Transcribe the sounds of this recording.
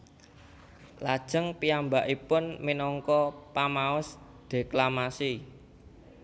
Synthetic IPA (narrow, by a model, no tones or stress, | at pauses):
lad̥ʒ̥əŋpiambaʔipʊnminɔŋkɔpamaʊs | d̪̥e̤klamasi